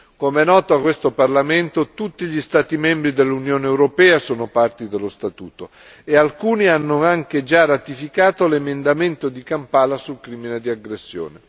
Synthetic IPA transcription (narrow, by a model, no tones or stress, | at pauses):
komeɛnːɔːt̪oakːwest̪oparlament̪ot̪ut̪ːiʎist̪aːt̪imɛmbɾid̪elːunjoːneːwɾopɛːasoːnopart̪id̪elːost̪at̪ṵːt̪o | ealkuːnianːoaŋked͡ʒarat̪ifikaːt̪olemend̪ament̪od̪ikampaːlasulkɾiːmined̪iaɡɾesːjo̰ːne